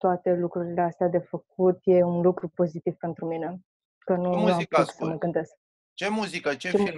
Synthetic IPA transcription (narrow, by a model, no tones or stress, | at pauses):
t̪oat̪e̞lukɾuɾile̞ast̪ead̪e̞fək̚ut̪je̞unlukɾupo̞zit̪iv̥pe̞nt̪ɾumine̞ | kənunḁsəməɡɨnd̪e̞sk | t͡ʃemuzikət͡ʃet͡ʃe